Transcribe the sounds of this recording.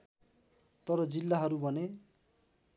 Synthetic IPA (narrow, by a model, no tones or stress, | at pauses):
t̪ʌɾʌd͡zilːaɦʌɾubʱʌne